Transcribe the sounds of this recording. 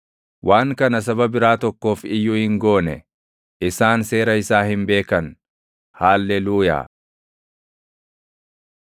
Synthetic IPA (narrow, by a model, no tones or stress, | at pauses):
wʔaːŋkɐnɐs̬ɐbɐbɪɾaːt̪ɔkːo̞ːfɪjːʊhɪŋɡo̞ːnɛ̰ | ʔɪsaːnse̞ːɾɐɪsaːhɪnbe̞ːkɐn | haːlːɛluːja̰ː